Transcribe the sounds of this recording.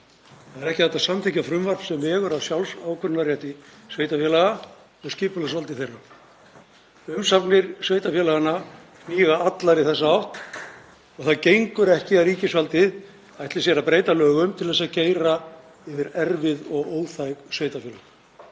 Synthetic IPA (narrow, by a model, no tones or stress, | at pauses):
θaðɛɾɛhcɪ̥θɛht̪asamt̪ʰɪhcafɾʏmvaɾpsɛmɛɣʏɾawsjawlsaːwkʰʏnnaɾrjɛht̪ɪsveːjt̪afjɛlaɣa | ɔɣscɪːpʏlas̬alt̪ɪθejrːa | ʏmsapnɪɾsveːjt̪afjɛlaɣanːa | miːɣaat̪laɾɪðθɛsːaawht̪ | ɔɣθaðcejŋkʏɾɛhcɪaɾiːcɪsvalt̪ɪð | ajht̪lɪsjɛɾapɾeːjt̪alœːɣʏmt̪ʰɪlθɛsːaðceːjɾa | ɪvɪɾɛɾvɪðɔɣoːwθajɣsveːjt̪afjɛːlaɣ